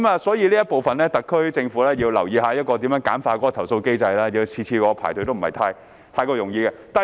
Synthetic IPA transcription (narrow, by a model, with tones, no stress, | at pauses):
maː˨˧sɔː˨˥jiː˧liː˥jɐ˥t̚po˨wfɐ˨nlɛː˥t̪ɐ˨kʰːɵ˥ɥt͡sɪ˧ŋfu˨˥lɛː˥jiː˧wlɐ˨˩wjiː˨˧ɦaː˨˧˦jɐ˥t̚kɔː˧t̪̬i˨˥mjːŋkaː˨˥nfaː˧t̚kɔː˨˥kɔ˧t̪ʰɐ˨˩wso˧wke˥jt͡sɐ˧jlaː˥ji˨˧t͡sʰiː˧t͡ɕʰiː˧kɔː˨˥kɔ˧pʰaː˨˩jt̪ʰt̪o˥wm̩˨˩hɐ˨˩jt̪ʰaː˧j | t̪ʰaː˧jkɔː˧jʊ˨˩ŋjiː˧kɛ˧t̪aː˨